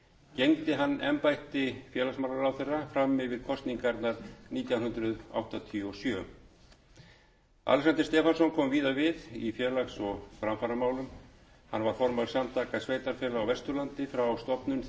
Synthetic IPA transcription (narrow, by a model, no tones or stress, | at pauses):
cejŋt̪ɪɦanːɛ̰mpajht̪ɪfjɛːɾlaksmawlaɾawθejrːafɾamːɪvɪɾ̥kʰɔst̪niŋkaɛɾt̪naɾniːt̪jawhʏnt̪ɾʏða̰wht̪at̪ʰiɔsjœ | a̰lsant̪ɪ̥ɾst̪ɛːfansɔnkʰɔmviːðavɪðifjɛɾlaksɔɣfɾamfaɾamaːwlʏm | hanːvaɾ̥fɔɾmaw̪samt̪ʰaːkasveːjt̪aɾ̥fjɛːlaawvɛst̪ʏɾlant̪ɪfɾawst̪ɔpnʏn